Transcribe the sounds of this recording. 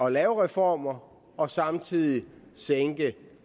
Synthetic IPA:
ɒ̽lɛːʊʁɛfɒ̰ːmɐ | ɒ̽sɑ̈mt͡sʰið̰ˠiseŋɡ̥ə

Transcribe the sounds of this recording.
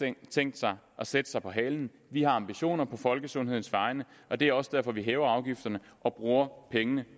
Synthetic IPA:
t͡sʰeŋ̰d̥sɑ̈ɪ | ʔɒ̽sed̥ə̥sɑ̈ɪpʰɒ̽ɦɛ̰ːln̩ | ʋihɑ̈ɑ̈mb̥iɕo̝̰ːnɐpʰɒ̽fɒ̽lɡ̥əsɔ̽nɦe̝ð̞̰ˠn̩sʋɑ̈ɪnəʔɒ̽d̥e̝æɐɒ̽səd̥æɐ̰fɒ̽ʋiɦɛːʊɐɑ̈ʊɡ̥ifd̥ɐnəʔɒ̽b̥ʁuːɐpʰeŋənə

